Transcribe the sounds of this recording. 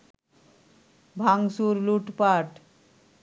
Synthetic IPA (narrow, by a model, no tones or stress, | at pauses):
bʱaŋsuɾluʈpaʈ